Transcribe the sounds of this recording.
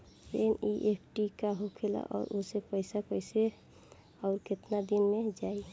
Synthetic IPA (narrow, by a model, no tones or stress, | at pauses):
ɾeniʔepʰʈikaɦokʰela̰ʔɔ̰ːɾʔosepəɪsapəɪse | ɔʊɾket̪nad̪inmed͡ʒai